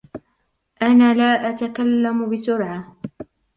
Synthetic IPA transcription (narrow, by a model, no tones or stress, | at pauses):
ʔanaːlaːʔat̪akalːambɪsʊɾʕa